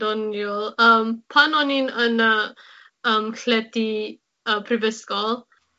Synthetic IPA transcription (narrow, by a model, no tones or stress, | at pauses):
dɔnjulˠəmpʰanɔninənə | əmkʰlɛti | əpʰɾivəskɔlˠ